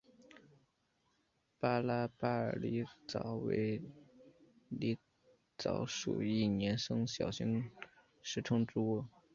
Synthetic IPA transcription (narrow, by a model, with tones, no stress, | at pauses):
pa˥la˥pa˥ə̰˞˨˩li˧˥t͡sɑ˨˩ʊwḛ˧˥ɪ | li˧˥ | t͡sɑ˧˥ʊʂṵ˨˩i˥˩njɛ˧˥nʂɤ˥ŋɕjɑ̰˨˩ʊɕi˧˥ŋ | ʂɻ̩˥ʈ͡ʂʰʊ˥˧ŋʈ͡ʂu˥wɔ˥˩